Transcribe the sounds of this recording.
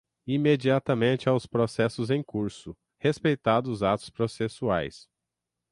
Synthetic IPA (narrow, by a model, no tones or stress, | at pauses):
imed͡ʒiat̪ɐmẽnt͡ʃɪawspɾosɛsʊzẽj̃kuɾsʊ | hespejt̪ad̪ʊzat̪ʊ̥spɾosesua̰js